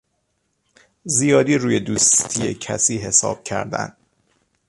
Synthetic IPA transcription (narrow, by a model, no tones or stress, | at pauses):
zijɒːd̪iːɾuːje̞d̪uːst̪ʰijḛcʰæ̰siːɦe̞sɒ̰ːb̥̚cʰæ̰ɾd̪æ̰nd̪̥